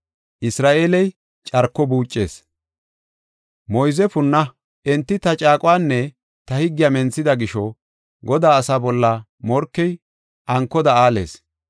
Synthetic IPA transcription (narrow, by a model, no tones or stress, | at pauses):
ʔɪsɾaːʔeːlɛj | t͡ʃʼɐɾkːɔbuːt͡ʃʼːe̞̰ːs | mɔjzɛfʊnːɐ | ʔɛnt̪ːɪt̪ɐt͡ʃʼaːkʼʊwaːnːɛ | t̪ɐhɪɡːɪjamɛnt͡sːɪd̪ɐɡɪʃɔ | ɡɔd̪aːsabɔlːɐ | mɔɾkːɛj | ʔɐŋkːɔd̪ɐaːle̞̰ːs